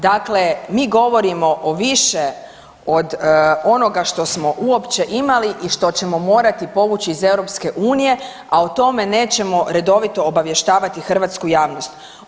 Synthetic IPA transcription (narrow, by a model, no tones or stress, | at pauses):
d̪akle̞miːɡo̞ʋo̞ɾimo̞ʔoʋiʃe | od̪o̞no̞ɡaʃt̪o̞smo̞ʔuo̞pt͡ɕe̞ʔimaliʔiʃt̪o̞t͡ɕe̞mo̞mo̞ːɾat̪ipo̞ʋut͡ɕiːze̞wɾo̞pske̞ʔuːnije̞ | aot̪o̞me̞ne̞ːt͡ɕe̞mo̞ɾe̞d̪o̞ʋit̪o̞ːbaʋje̞ʃt̪aːʋat̪ixr̩ʋaːt̪skujaːʋnost̪